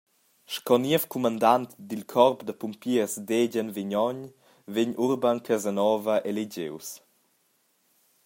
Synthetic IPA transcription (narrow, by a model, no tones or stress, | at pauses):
ʃkɔniəfkumand̪ant̪d̪ilkʰɔrpd̪əpumpiəɾsdeɟənviɲɔɲ | veɲʔuɾbankʰazənɔːvəʔeleɟḛws